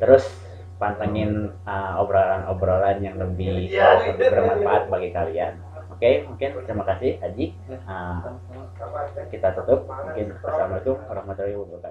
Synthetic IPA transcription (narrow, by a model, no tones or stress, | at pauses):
t̪əɾʊs | pant̪aŋɪn | əobɾolanobɾolanjaŋləbɪhsaləbɪbərmənfaat̪̚baɡikalian | okemuŋkɪnt̪əɾimakasɪhad͡ʒi | əm | kit̪at̪ut̪ʊp̚muŋkɪnkəsamait̪uuɾahmat̪oibubuka